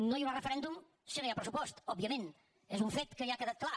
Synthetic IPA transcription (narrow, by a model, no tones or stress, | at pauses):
nõjunrəfɾɛnd̪um | sinẽjapɾəsupɔst̪ɔbiɐmẽnt̪ | ɛzuɱfet̪kəjakəðat̪̚klˠa